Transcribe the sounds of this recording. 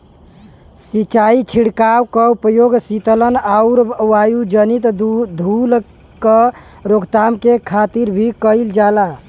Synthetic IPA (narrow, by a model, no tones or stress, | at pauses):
sit͡ʃait͡ʃʰiɽkawkəupəjoɡsit̪ələnauɾwajud͡ʒənit̪d̪ʱul | kə | ɾoɡt̪amkekʰat̪iɾbʱikəɪld͡ʒala